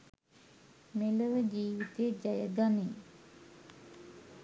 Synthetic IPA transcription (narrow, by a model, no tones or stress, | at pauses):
meləʋəd͡ʑiːʋit̪eːd͡ʒajəɡane